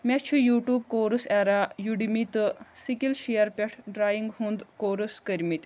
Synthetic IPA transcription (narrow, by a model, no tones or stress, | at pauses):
mʲɛt͡ɕʰujuʈuːbkoɾəsɛɾajuɽimit̪sikilɕejəɾpʲɛʈʰɖɾajiŋɡɦund̪koɾəskəɾmit̪